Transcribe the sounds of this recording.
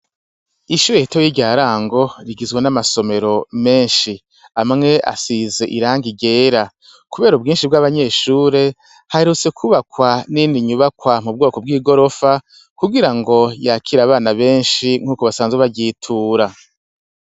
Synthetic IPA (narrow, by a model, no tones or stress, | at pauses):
iʃuːɾeitojiɾɟaːɾaːŋɡo̞ɾiɡizɡwenamaso̞me̞ɾo̞me̞ːnʃi | amŋe̞ʔa̰size̞ʔiɾaːŋɡiɟe̞ːɾa | kuβe̞ːɾub̚ɡiːnʃib̚ɡaβaɲe̞ːʃuːɾe̞ | haheɾut͡se̞kʰuβakwaniniɲuβakwamub̚ɡo̞ːko̞bɡiːɡo̞ɾo̞fa | kuɡiɾaŋɡo̞jakʰiɾaβaːnaβe̞ːnʃiŋ̥huːkoβasaːnzweβaɟiːtʰuːɾa